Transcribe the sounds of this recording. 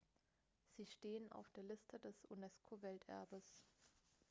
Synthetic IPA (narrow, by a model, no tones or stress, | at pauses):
z̥iːʃteːəna̰ʊfd̥eːɐlɪstʰədɛsunɛskʰovɛltʰʔɛ̰ɐbəs